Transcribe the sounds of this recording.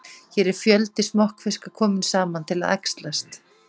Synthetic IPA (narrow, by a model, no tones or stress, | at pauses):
çɛːɾɛɾ̥fjœlt̪ɪsnɔhkfɪskakʰɔːmɪnsaːmant̪ʰɪlaða̰jkst̪last̪